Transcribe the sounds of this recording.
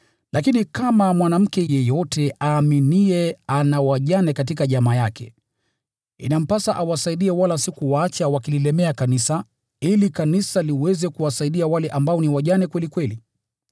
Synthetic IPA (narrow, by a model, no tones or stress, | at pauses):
lakinikamamwanam̩kɛjɛjɔtɛaːminiɛanawaʄanɛkatikaʄamaːjakɛ̰ | ḭnam̩pasaʔawasaiɗiɛwalasikuwaat͡ʃawakililɛmɛakanisa | ilikanisaliwɛzɛkuwasaiɗiawalɛʔambaɔniwaʄanɛkwɛlikwɛli